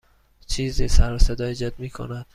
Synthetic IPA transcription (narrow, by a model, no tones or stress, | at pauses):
t͡ʃʰiːzisæɾosed̪ɒːjed͡ʒɒd̪miːkʰo̰næd̪̥